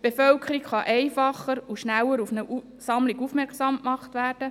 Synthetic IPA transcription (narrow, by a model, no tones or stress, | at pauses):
b̥efœlkʰəɾikχɑʔɛɪfɑχːəɾuʃnælːəɾufnəʔ | sɑmliɡufmɛɾkχsɑmkmɑχtʋæːɾd̥ə